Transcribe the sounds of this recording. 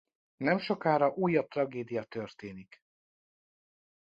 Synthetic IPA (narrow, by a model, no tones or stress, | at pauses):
nɛmʃo̞kaːɾɒʔuːjɒp̚t̪rɒɡeːd̪ijɒt̪ørt̪eːnik